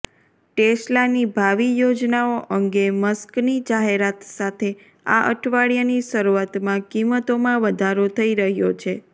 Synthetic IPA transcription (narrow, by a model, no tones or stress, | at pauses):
ʈeslanibʱaʋijod͡ʒnaoʔəŋɡeməsknid͡ʒaɦeɾat̪sat̪ʰe | a̰ʔə̰ʈʰʋaɭijaniʃəɾuat̪mãkimət̪omãʋəd̪ʱaɾot̪ʰəiɾəɦjot͡ʃʰe